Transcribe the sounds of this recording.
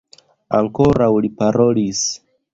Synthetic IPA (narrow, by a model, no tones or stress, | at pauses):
a̰ŋko̞ɾawlipaɾo̞lis